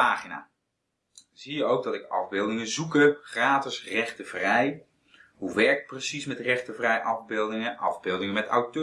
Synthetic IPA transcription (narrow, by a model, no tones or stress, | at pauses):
aːχina̰ː | zijəowɡ̚dɑtɪkɑ̰vbɪːlˠdɪŋəzukəχraːtɪsrɛχtəv̥rɛj | ɦuʋɛɹk̚prəsismɛtrɛχtəvrɛjʔɑvbɪːlˠdɪŋəʔɑ̰vbɪlˠdɪŋəmɛta̰wtø